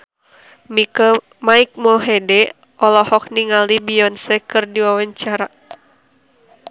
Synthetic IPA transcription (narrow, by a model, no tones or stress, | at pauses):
mik | maik̚mɔɦɛdɛ | ɔlɔhɔk̚niŋalibiɔnsɛkɨrdiwawaɲt͡ʃaɾa